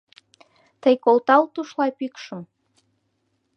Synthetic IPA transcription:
t̪əjkolt̪ɑlt̪uʃlɑpykʃə̆m

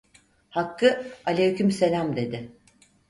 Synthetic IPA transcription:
hakːɯalʲejycʲymse̞lʲamd̪e̞d̪ɪ

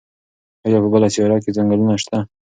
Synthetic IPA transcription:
ajɑpəbəlaseɾɑk̬ed͡zaŋɡalunaʃt̪a

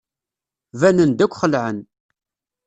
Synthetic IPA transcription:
vænənd̪ækʷːχəlʕən

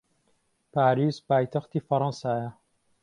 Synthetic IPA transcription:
paːɾiːzpaːjt̪ʰɐxt̪ifɐɾˤɑ̃nsaːja

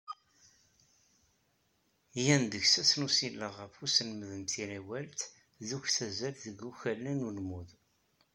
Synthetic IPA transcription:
jænd̪əçsæsnusilːəʁəfusənməðənt̪iɾæwælt̪ | ðuçθæzælðəɡuçælːænulmuð

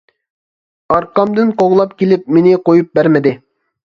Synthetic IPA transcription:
ɑɾqɑmd̪ɨnqoʁlˠɑpkʲelɪp̚menɪqojup̚bæɾmɪd̪ɪ

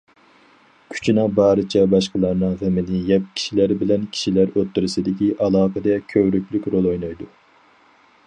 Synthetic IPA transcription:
kʲʰy̥t͡ʃʰinɨŋbɑːɾɨt͡ʃʰɛbɑʃqəlˠɑɾnɨŋʁæmɪnɪjɛp̚kʲʰi̥ʃilæɾbɪlɛnkʲʰi̥ʃilæɾøt̪ːyɾɪsɪd̪ɪkʲiʔɑlˠɑːqəd̪ɛkʲʰøwɾykʲlykʲɾolˠojnɑjd̪u

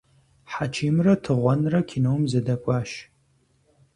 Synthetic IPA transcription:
ħat͡ʃʰiːmrɐtʰɨʁʷɔnrɐkʲʰinoːmzɐdɐkʷʼaːʃ

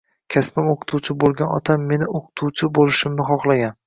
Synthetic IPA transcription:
kʲʰaspɪmoqʰɨ̥t̪ʰuwt͡ʃʰɪbolˠɡʲanɒ̰t̪ʰamːe̞nɪoqʰɨ̥t̪ʰuwt͡ʃʰɪbolɪʃɪmnɪχɒχlˠaɡʲan

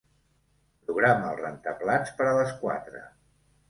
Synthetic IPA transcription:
pɾuɣɾaməlˠrənt̪əβlant͡spəɾələskwa̰t̪ɾə̰

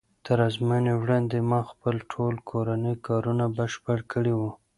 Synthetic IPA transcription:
t̪əɾɑzmanewɽɑnd̪emɑxpəlʈʰolkʰoɾanəjkɑɾunabəʃpəɽkəɽewu

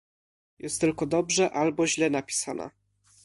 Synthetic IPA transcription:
jɛst̪ːɘlkɔd̪ɔbʐɛʔalbɔʑlɛnapʲi̥sana̰

